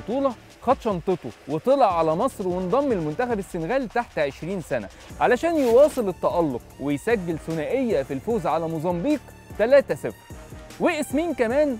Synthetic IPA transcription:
t̪ˤuːlɑ | xɑt̪ʃɑnt̪ˤet̪ˤowet̪ˤelɑʕʕalæmɑsˤɾwend̪ˤɑmːelmʊnt̪æxæbesːenɣæːlt̪aħt̪ʕeʃɾiːnsænæ̰ | ʕalæʃæːnjewɑːsˤɨlet̪ˤːɑʔɑlːoq̚wejsæɡːelsʊnæːʔejːæfilfoːzʕalæmozˤɑmbiːq | t̪ælæːt̪æsɪfɾweʔesmiːnkæmæːn

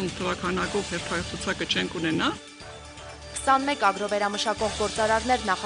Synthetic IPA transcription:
nt̪ʰəvɑkʰɑnɑkɔvhɛɾt̪ʰɑsʰut͡sʰɑkət͡ʃʰɛŋkʰunɛnɑ | kʰə̥sɑnmɛkɑɡɾɔvɛɾɑməʃɑkɔʁɡɔɾt͡sɑɾɑɾnɛɾnɑχ

